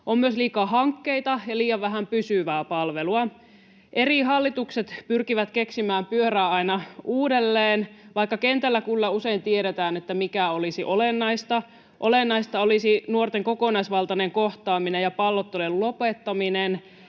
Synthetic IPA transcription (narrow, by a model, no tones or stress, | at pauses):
ʔommyøsliːkɑːɦɑŋkːeit̪ɑjɑliːjɑʋʋæɦæmpysyʋæːpɑlʋeluɑ | ʔeriɦɑlːit̪ukset̪pyrkiʋæt̪keksimæːmpyøɾæːɑinɑʔuːdelːeːnʋɑikːɑkent̪ælːækylːæuse̞int̪ieɾet̪æːnet̪ːæmikæolisiʔolenːɑist̪ɑ | ʔolenːɑist̪ɑolisinuort̪eŋkokonɑisʋɑlt̪ɑneŋkoht̪ɑːminejɑpɑlːot̪ːelellopet̪ːɑminen